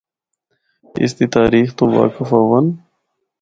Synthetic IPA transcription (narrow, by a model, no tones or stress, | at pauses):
ḭst̪it̪aːɾiːxt̪owa̰ːkɪfaːwɐn